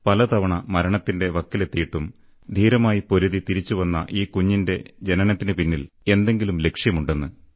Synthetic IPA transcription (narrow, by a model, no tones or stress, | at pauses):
pɐlɐt̪ɐʋɐɳɐmɐɾɐɳɐt̪ːinde̞ʋɐkːile̞t̪ːijiʈːum | d̪ʱiːɾɐmaːjipo̞ɾuðit̪iɾit͡ɕːuʋɐnːɐ̰ʔiːkuɲːinde̞d͡ʑe̞nɐnɐt̪ːinɨpinːile̞nd̪e̞ŋɡilumle̞kʂjɐmuɳɖe̞nːɨ